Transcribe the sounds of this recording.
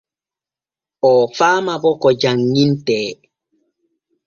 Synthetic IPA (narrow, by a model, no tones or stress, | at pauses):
ɔfaːmabɔkɔd͡ʒaŋːintɛː